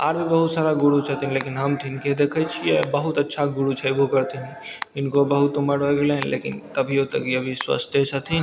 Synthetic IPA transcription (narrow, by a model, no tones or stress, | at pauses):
aːɾbʱibəɦut̪saːɾaɡuɽut͡ʃʰət̪inlekinɦəmt̪ʰinked̪ekʰət͡ʃʰijebəɦut̪ətːʃʰaɡʊɽut͡ʃʰəbokəɾt̪eniɪnkobəɦut̪uməɽɦoɡeleɦnlʔḛkint̪əbʱiot̪əkiəbʱiswə̰st̪ʰjət͡ʃʰət̪ʰin